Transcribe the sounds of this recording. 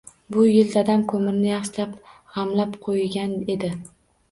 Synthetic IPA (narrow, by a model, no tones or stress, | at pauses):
bʊjɪld̪ad̪amkʰɵmɪɾnɪjɑχʃlap | hamlapqʰojɡʲane̞d̪ɪ